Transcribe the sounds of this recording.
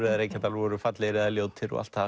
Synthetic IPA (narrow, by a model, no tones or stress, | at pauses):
ɾðaɾekʰat̪alɔɾʏfat̪lɪɾeðaljowt̪ʰɪɾɔ̰ʔa̰lt̪a